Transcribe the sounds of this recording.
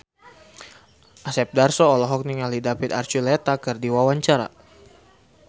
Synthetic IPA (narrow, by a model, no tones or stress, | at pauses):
ʔasɛp̚darsɔːlɔɦɔk̚niŋalidapit̪art͡ʃulɛt̪akɨrdiwawaɲt͡ʃaɾa̰